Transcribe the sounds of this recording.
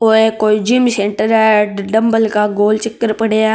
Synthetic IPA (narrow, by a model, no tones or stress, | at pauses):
oekoːid͡ʒɪmsẽːɳʈəɾaɖɐmbəlkaɡoːlt͡ʃəkːəɾpɐɽea